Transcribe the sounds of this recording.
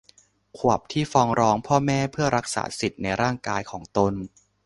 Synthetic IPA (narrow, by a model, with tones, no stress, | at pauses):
kʰu˨˩əp̚t̪ʰiː˥˩fɔː˧ŋɾɔː˦˥ŋpʰɔː˥˩mɛː˥˩pʰɯ˥˩ɐɾa˦˥k̚sa̰ː˩˦si˨˩t̪̚na˧jɾaː˥˩ŋkaː˧jkʰɔː˩˦ŋt̪o˧n